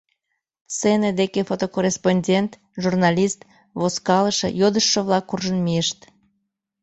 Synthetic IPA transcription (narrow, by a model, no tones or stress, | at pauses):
sened̪ekefot̪okorʲesponʲdʲent̪ | ʒurnɑlʲist̪ | βoskɑləʃə̰jod̪əʃːəβlɑkːurʒənmiəʃt̪